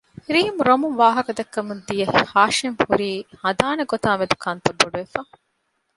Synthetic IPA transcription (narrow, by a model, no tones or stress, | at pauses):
hiɾiːmuɾomuŋʋaːɦɐkɐd̪ɐkːɐmund̪ijɐhihaːʃeŋhuɾiːhɐd̪aːneɡot̪aːʋed̪ukʰɐnt̪ɐbːoɖuʋefaː